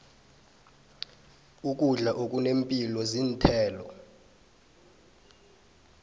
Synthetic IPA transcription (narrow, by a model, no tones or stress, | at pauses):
uk̬ʼuɮaʔok̬ʼunempʼilɔzintʰɛːlɔ